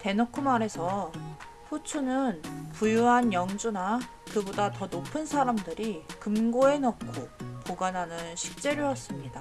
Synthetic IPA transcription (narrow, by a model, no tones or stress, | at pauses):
te̞nokʰumaɾe̞sʰʌ | ɸut͡ɕʰunɯnpujuɦanjʌŋd͡ʑuna | kɯbodatʌnopʰɯnsʰaɾamdɯɾikɯmɡoe̞nʌk̚kʰopoɡanɦanɯnɕʰi̥k̚t͡ɕ͈e̞ɾojʌs͈ɯmɲida